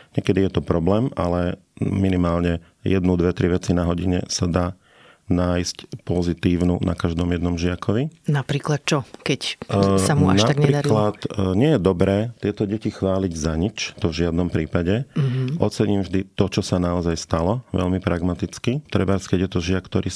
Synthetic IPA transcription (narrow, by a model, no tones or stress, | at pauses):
ɲɛkɛd̪ijɛt̪ɔpɾɔblɛːma̰lɛ | minimaːlɲɛ | jɛ̰d̪nud̪ʋɛt̪ɾiʋɛt͡sinaɦɔɟiɲɛ̰sad̪aː | naːjscpɔzit̪iːʊnunʔa̰kaʒd̪ɔmjɛd̪nɔmʒɪakʰɔʋinapɾiːklat̪̚t͡ʃɔkɛcamuanʃaapɡɲɾɛɾid̪aɾkilat̪ɲɪɛjɛd̪ɔbɾɛːt̪ɪɛt̪ɔɟɛcixʋaːliɟzaɲit͡ʃt̪ɔvʒɪad̪nɔmpɾiːpaɟɛʔɔt͡sɛɲimvʒd̪it̪ɔt͡ʃɔsanaɔzajst̪alɔʋɛ̰ʎmipɾaɡmat̪it͡skit̪ɾɛbaskɛɟjɛt̪ɔʒɪakːt̪ɔɾiː